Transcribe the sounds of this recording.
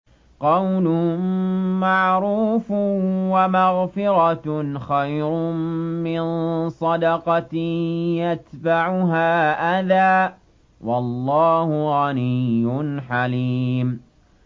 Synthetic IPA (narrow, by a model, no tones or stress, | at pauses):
qɑwlʊ | maʕɾuːfwamaɣfɪɾɑxajɾʊmɪnsˤɑd̪ɑqɑ | jat̪baʕʊɦaːʔaðaː | wɑlˤːɑːhʊɣanijːʊnħaliːm